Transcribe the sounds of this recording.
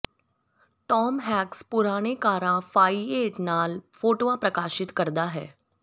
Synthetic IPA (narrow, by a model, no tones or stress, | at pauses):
ʈɔːmɦɛːkspʊɾaːɽ̃ekaːɾãfaːieːʈnaːlfoːʈoʋãpɾɐkaːʃɪt̪kəɾd̪aɦɛː